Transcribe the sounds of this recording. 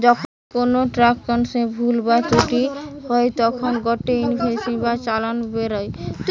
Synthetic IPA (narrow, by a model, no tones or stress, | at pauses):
d͡ʒɔkʰ | konoʈɾakkɔnsẽbʱulbat͡ʃoʈiɦɔet̪ɔkʰɔnɡɔʈeinibʰʱesĩbat͡ʃalanubeɾɔjt̪